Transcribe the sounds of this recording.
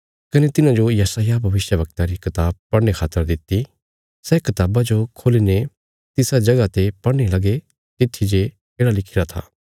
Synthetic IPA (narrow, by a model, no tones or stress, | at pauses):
kɐnet̪ɪnãd͡ʒojɐsaːjabʱɐʋɪʃjəʋɐk̚t̪ãɾikɪt̪aːb̚pɐɽnekʰaːt̪əɾd̪ɪt̪ːi | sɛkɪt̪aːbad͡ʒokʰoːline | t̪ɪsad͡ʒɐɡat̪epɐɽñelɐɡe | t̪ɪt̪ʰːid͡ʒe | keːɽalɪkʰɪɾat̪ʰa̰ː